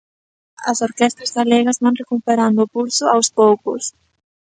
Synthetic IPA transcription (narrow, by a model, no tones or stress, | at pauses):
ɐ̰soɾkɛst̪ɾazɣaleɣɐzβanrekupeɾand̪ʊːpulsʊawspowkʊs